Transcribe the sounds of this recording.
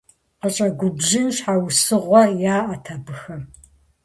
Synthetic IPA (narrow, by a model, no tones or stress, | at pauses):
qət͡ʃʼɐɡʷʊbʑɪnɕħawsɨʁʷɔjaːʔɐtʰɐbɨxɐ